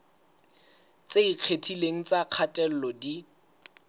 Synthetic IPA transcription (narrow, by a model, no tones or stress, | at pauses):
t͡sʼeiq͡χʰetʰileŋ̩t͡sʼaq͡χʰatʼɛl̩lɔdi